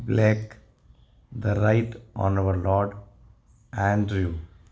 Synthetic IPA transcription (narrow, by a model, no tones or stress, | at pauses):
blek | d̪əɾaɪʈʔɔ̰̃nɐʋəɾlɔːɾɖ | æ̃nɖɾju